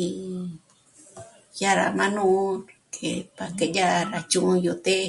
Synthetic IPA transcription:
i˨ | ja˦ɾa̰˨mã˦nũ˦kʰe˨pa˨ke˧ja˦ɾa˧t͡ʃũ˧ʔju˧t̪e˦˧

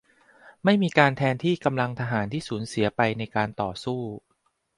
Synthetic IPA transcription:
ma˥˩jmiː˧kaː˧nt̪ʰɛː˧nt̪ʰiː˥˩ka˧mla˧ŋt̪ʰa˧ɦaː˩˦nt̪ʰiː˥˩suː˩˦nsi˨˩˦ɐpa˧jna˧jkaː˧nt̪ɔː˨˩suː˥˩

